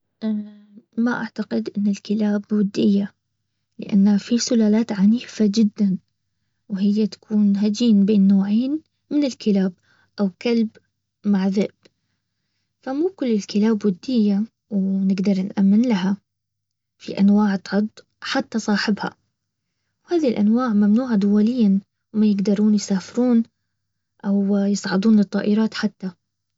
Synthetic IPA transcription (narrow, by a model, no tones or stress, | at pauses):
ʔ | maʔaʕt̪aqɪd̪ʔɪnːɪlkɪlaːbwɪd̪ːɪjːa | lɪ̰ʔa̰nːafisʊlaːlaːt̪ʕaniːfad͡ʒɪd̪ːan | wɦɪjːat̪ḁkʰuːnɦad͡ʒiːnbeːnːoːʕeːn | mɪnɪlkɪlaːb̚ | ʔawkalb | maʕðɪʔb̥ | famuːkʊlːɪlkɪlaːbːʊd̪ːɪjːa | wnɪɡd̪ɑɾˤnʔamːɪnlaɦa | fḭʔanwaːʕt̪ʕʊd̪ˤ | ħat̪ːasˤɑːħɪbha̰ | whaːðilʔanwaːʕmamnuːʕad̪ʊwalɪjːan | wmajɪɡd̪ɑɾˤuːnjsaːfɪɾuːn | ʔawjɨsˤʕɑd̪ˤuːnlɨt̪ˤːɑ̰ːʔɪɾˤɑːt̪ħat̪ːa